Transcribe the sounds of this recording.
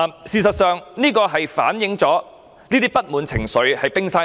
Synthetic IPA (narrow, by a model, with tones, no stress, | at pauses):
siː˨˩sɐ˨t̚sœː˨˧ŋniː˥kɔː˧ɦɐ˨jfa̰ː˨˥njɪ˨˧ŋt͡sɔː˨˥ | niː˥t̪iː˥pɐ˥t̚muː˨˧nt͡sʰɪ̰˨˩ŋsɵ˨˥ɥhɐ˨jpɪ˥ŋsaː˥